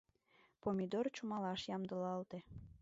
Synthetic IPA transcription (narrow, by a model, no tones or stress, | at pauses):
pomʲid̪ort͡ɕumɑlɑʃjɑmd̪əlɑlt̪e